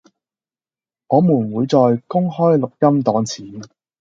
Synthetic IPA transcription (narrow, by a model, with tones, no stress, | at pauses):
ŋɔː˨˧muː˨˩nwuː˨˧jt͡sɔː˨jkʊ˥ŋhɔː˥jlʊ˨k̚jɐ˥mt̪ɔː˨˥ŋt͡sʰiː˨˥n